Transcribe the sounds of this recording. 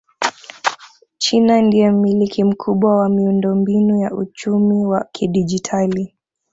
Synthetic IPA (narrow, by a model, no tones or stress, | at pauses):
t͡ʃinandiɛm̩milikʰim̩kʰuɓwawamiundɔmbinujaut͡ʃumiwakʰiɗid͡ʒitʰali